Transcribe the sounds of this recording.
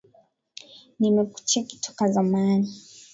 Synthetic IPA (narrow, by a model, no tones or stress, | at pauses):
nimɛku̥t͡ʃaki̥tʰɔ̥kazamani